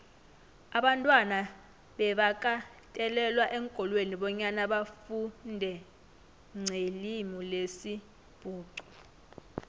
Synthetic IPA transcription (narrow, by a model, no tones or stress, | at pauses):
aɓantʼwana | ɓɛɓak̬ʼa | tʼɛlɛlwaʔɛŋkʼɔlweniɓɔɲanaɓafundʱɛ | ŋ͡ǀʱelimɔlesi | b̥ʱuːǀɔ̥